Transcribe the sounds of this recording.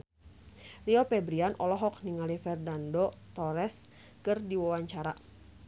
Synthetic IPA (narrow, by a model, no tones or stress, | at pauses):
riɔpɛbɾianʔɔlɔɦɔk̚niŋalifɛrdandɔt̪ɔɾɛs | kɨrdiwawaɲt͡ʃaɾa